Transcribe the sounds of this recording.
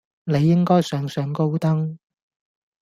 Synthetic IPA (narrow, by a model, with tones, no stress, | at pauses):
ne˨˧jːɪ˥ŋkɔː˥jsœː˨˥ŋsœː˨˧ŋko˥wt̪ɐ˥ŋ